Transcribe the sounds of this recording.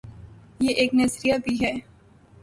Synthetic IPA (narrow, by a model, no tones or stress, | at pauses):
jeːʔeːknɐzɾijabʱiɦɛː